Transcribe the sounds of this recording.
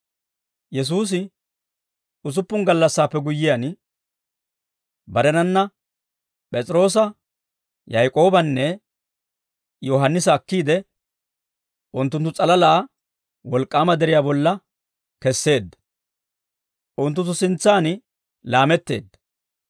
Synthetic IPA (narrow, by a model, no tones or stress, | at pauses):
jɛs̬uːs̬ɪ | ʊs̬ʊpːʊŋɡɐlːɐsːaːpːɛɡʊjːɪjan | bɐɾɛnɐnːɐ | pʼɛt͡sʼɪɾo̞ːsɐ | jɐjkʼo̞ːbɐnːɛ | jɔɦɐnːɪsɐːkːiːd̪ɛ | ʔʊnt̪ːʊnt̪ːʊt͡sʼɐlɐlaː | wɔlkʼːaːmɐd̪ɛɾɪjaːbɔlːɐ | kɛsːe̞ːd̪ːɐ̥ | ʔʊnt̪̬ːʊnt̪ːʊsɪnt͡sːaːn | laːmɛt̪ːe̞̰ːd̪ːɐ̥